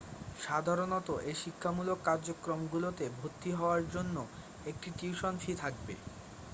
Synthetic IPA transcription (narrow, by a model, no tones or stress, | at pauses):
ʃad̪ʱaɾonɔt̪oʔeʃikʰːamulokːaɾd͡ʑokːɾomɡulot̪ebʱot̪ːiɦɔoaɾd͡ʑonːo | ek̚ʈiʈiuʃonfit̪ʰak̚bḛ